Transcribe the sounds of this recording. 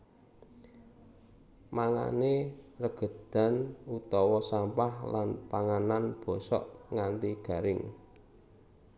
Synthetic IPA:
maŋa̰nerəɡ̥ə̤d̪̥a̤nut̪ɔwɔsampahlanpaŋananb̥ɔ̤sɔ̰ʔŋant̪iɡ̥ä̤ɾɪŋ

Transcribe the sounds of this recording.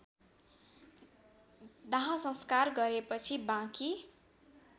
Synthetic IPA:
d̪aɦãsʌ̃skarɡʌɾepʌt͡sʰibãki

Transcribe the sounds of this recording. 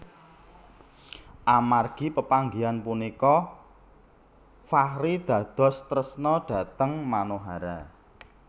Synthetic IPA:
ʔamarɡ̥i̤pəpaŋɡianpunikɔ | fahɾid̪̥ä̤d̪̥ɔ̤st̪ɾəsnɔɖ̥ä̤t̪əŋmanoɦaɾa

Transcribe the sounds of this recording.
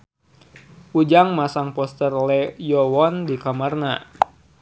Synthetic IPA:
ud͡ʒaŋmasaŋpɔst̪ərlɛjɔwɔndikamarna

